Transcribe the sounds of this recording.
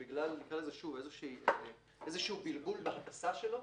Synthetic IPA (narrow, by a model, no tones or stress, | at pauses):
biɡlalniɡʁalezeʃuvezeʃiː | ʔezeʃiubilɡulbeapasaʃelo̞